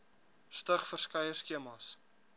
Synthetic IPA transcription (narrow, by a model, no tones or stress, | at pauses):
stəχfərskɐjəskiəmɑs